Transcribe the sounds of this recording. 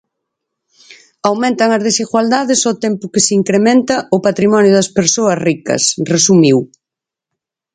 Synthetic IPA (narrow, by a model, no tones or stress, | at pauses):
awmẽnt̪ɐŋɐzðesiɣwald̪aðɪsot̪ɛmpʊkɪsiŋkɾemɛ̃nt̪ɐʊpat̪ɾimɔnjʊðɐspeɾsoɐsrikɐ̰sresumiw